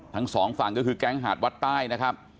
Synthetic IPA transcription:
t̪ʰa˦˥ŋsɔː˩˦ŋfaː˨˩ŋkɔː˥˩kʰɯː˧kɛː˦˥˩ŋɦaː˨˩t̪̚wa˦˥t̪ːaː˥˩jna˦˥kʰa˦˥p̚

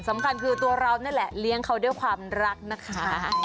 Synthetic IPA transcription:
sa˩˦mkʰa˧nkʰɯː˧t̪u˧ɐɾa˧wna˥˩nlɛ˨˩li˦˥əŋkʰa˦˥wdu˥˩jkʰwaː˧mɾa˦˥k̚na˦˥kʰa˦˥˦

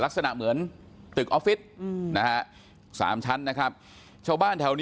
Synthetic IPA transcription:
la˦˥k̚sa˧na̰˨˩ʔmɯ˩˦ən | t̪ɯ˨˩k̚ʔɔ˦˥pfi˦˥t̪̚na˦˥kʰa˦˥ʔ | sa̰ː˩˦mt͡ɕʰa˦˥nːa˦˥kʰa˦˥p̚ | t͡ɕʰa˥˩wbaː˥˩nt̪ʰa˧wniː˦

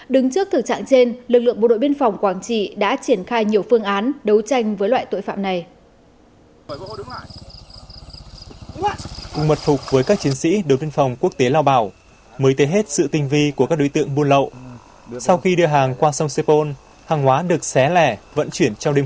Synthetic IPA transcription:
ɗɨ˨˦ŋt͡ɕɨ˦˥ək̚t̪ɨ˨˩t͡ɕa̰ː˧˨ŋt͡ɕe˧nlɨ˨˩k̚lɨ̰˧˨əŋɓo˧˨ɗo̰˧˨jɓi˧ənfwŋ͡mkwaː˧˩ŋt͡ɕḭ˧˨ɗa̰ː˧˥t͡ɕi˧˩ənxaː˧jɲi˨˩əwfɨ˧əŋʔaː˨˦nɗə˨˦wt͡ɕa˧jŋ̟vəː˨˦jlwa̰ː˧˨jt̪o̰˧˨jfa̰ː˧˨mna˨˩j | kʊ̰˨˧˩ŋ͡mmə˨˩t̚fʊ˨˩k͡p̚vəː˨˦jkaː˦˥k̚t͡ɕi˨˦ənsḭ˧˥ɗo˨˩˨jɓi˧ənfɔ˨˩wŋ͡mku˥ək̚t̪e˨˦laː˧wɓaː˧˩w | məː˨˦jt̪e˨˦ɦe˦˥t̚sɨ̰˧˨t̪ï˧ŋ̟vi˧ku˧˩kaː˦˥k̚ɗo˨˦jt̪ɨ̰˧˨əŋɓu˧ənlə̰˧˨w | sa˧wxi˧ɗɨ˧əɦaː˨˩ŋkwaː˧sə˧wŋ͡mse˧po˧n | haː˨˩ŋɦwaː˨˦ɗɨ˨˩ək̚sɛ˨˦lɛ˧˩və̰˧˥nt͡ɕwi˧˩ənt͡ɕɔ˧wŋ͡mɗe˧

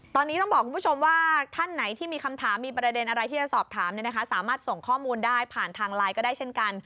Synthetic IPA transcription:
t̪ɔː˧nːi˦˥t̪ɔ˥˩ŋbɔː˨˩kʰːu˧pʰu˥˩o˧mwaː˥˩t̪ʰa˥˩nːa˩˦jt̪ʰiː˥˩miː˧kʰa˧mt̪ʰaː˩˦mːiː˧pɾa˧de˧nʔa˧ɾa˧jt̪ʰiː˥˩t͡ɕa˨˩sɔː˨˩p̚t̪ʰaː˩˦mni˥˩na˦˥kʰa˦˥saː˩˦maː˥˩t̪̚so˨˩ŋkʰɔː˥˩muː˧ndaː˥˩jpʰaː˨˩nt̪ʰaː˧ŋlaː˧jkɔː˥˩daː˥˩jt͡ɕʰe˥˩nka˧n

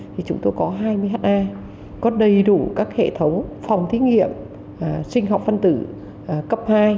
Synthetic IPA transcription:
t̪ʰi˨˩t͡ɕʊ˨˦ŋ͡mt̪o˧jkɔ˨˦ɦaː˧jmɨ˧əɦaː˧˥ʔaː˧j | kɔ˨˦ɗə˨˩jɗu˧˩kaː˦˥k̚hḛ˧˨t̪ʰə˨˦wŋ͡mfa˨˩wŋ͡mt̪ʰi˨˦ŋḭ˧˨əm | sï˧ŋ̟ɦɔ˨˩wk͡p̚fə˧nt̪ɨ̰˧˩ | kə˦˥p̚haː˧j

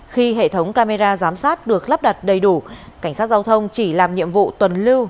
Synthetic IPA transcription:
xi˧ɦḛ˧˨t̪ʰə˨˦wŋ͡mkaː˧me˧zaː˧zaː˨˦msaː˦˥t̚ɗɨ˨˩ək̚lə˦˥p̚ɗa˨˩t̚ɗə˨˩jɗu˧˩ | ka˧˩jŋ̟saː˦˥t̚zaː˧wt̪ʰə˧wŋ͡mt͡ɕi˧˩laː˨˩mɲḭ˧˨əmvṵ˧˨t̪wə˨˩nlɨ˧w

